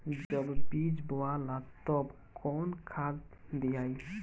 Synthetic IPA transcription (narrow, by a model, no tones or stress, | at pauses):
d͡ʒəbbid͡ʒboalat̪ɔb | kɔnkʰad̪d̪ijaj